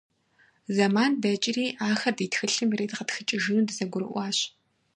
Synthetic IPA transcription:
zɐmaːndɐt͡ʃʼɪriːʔaːxɐrdiːtxɨɬɨmireːtqətxɨt͡ʃʼɪʒɨnuːdɨzɐɡʷʊɾɨ̰ʔʷɑːɕ

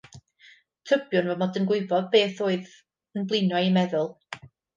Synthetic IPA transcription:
tʰəbjʊnvɔmɔdənɡwɪɨbɔðbeːθoːɨð | ənblˠɪnaɨimɛðʊlˠ

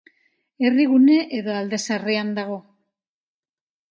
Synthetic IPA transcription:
e̞riɣune̞ʔeðo̞ald̪e̞sareand̪aɣ̞o̞

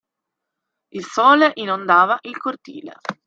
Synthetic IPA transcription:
ilsɔːleʔinond̪aːvaʔilkort̪ḭːlḛ

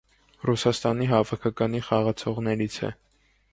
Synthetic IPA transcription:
rusɑst̪ɑniɦɑvɑkʰɑkɑniχɑʁɑt͡sʰɔʁnɛɾit͡sʰɛ̰

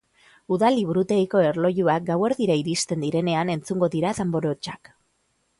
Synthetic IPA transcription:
uðaliβuɾut̪e̞iko̞e̞ɾlo̞ʝuak̚ɡawe̞ɾðiɾaiɾist̪e̞nd̪iɾe̞ne̞ane̞nt͡suŋɡo̞ðiɾaðembo̞ɾo̞t͡ʃak

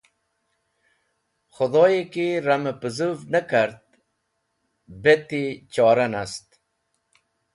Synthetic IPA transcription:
xʊd̪oːjekiɾaməpəzuvnəkaɾt̪̚ | bet̪it͡ɕɔːɾanast̪

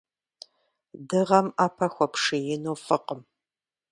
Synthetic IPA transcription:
dɨʁɐmaːpʰɐxʷɔpʂɨjɪnoːfɨqəm

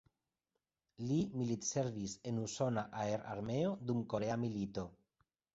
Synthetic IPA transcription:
limilit̪se̞ɾvise̞nuso̞naʔaeɾa̰ɾme̞od̪umko̞ɾeamilit̪o̞

